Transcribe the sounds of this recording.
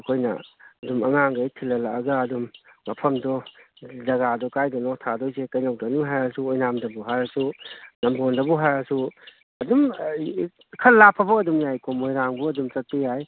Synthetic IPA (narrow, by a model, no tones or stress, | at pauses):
ɐkʰojnɐ̰ɐdumɐŋaŋɡɐjtʰilːɐlakɐɡɐɐdumːɐpʰɐmdɔ | zɐɡadɔkajdɔnɔtʰadojsekɐjnɐwdɐnuŋɦajɐsuojnamdɐbuɦajɾɐsunɐmbondɐbuɦajɾɐsu | ɐdum | kʰɐlːapʰːɐbɐːdumjajkomojɾaŋbuɐdumt͡ʃɐk̚tijaj